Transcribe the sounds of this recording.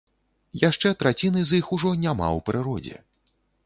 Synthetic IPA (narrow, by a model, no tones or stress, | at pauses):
jaʂt͡ʂɛt̪ɾat͡sʲinɨzixuʐɔnʲama̰wpɾɨɾɔd͡zʲɛ̰